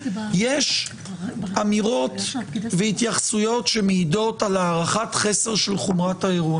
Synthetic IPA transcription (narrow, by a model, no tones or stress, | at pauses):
jeʃ | amiʁo̞t̪veit̪jaχsujo̞tʃe̞meido̞talaːʁaχatχe̞se̞ʁʃelχomʁataeʁun